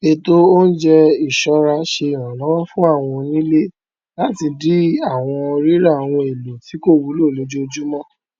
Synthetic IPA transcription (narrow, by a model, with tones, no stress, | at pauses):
e˧to˦o˦n̩˦d͡ʒɛ˦i˨ʃɔ˨˦ɾa˧ʃe˧i˨w̃ã˨nã˨˦wɔ̃˦fũ˦a˦˨w̃ɔ̃˧nĩ˦le˦ | la˦ti˧di˦a˦˨w̃ɔ̃˧ɾi˦ɾa˦˨w̃ɔ̃˧e˨lo˨ti˨˦ko˦˨wu˨˦lo˦˨lo˨˦d͡ʒo˦o˧d͡ʒu˦mɔ̃˦˨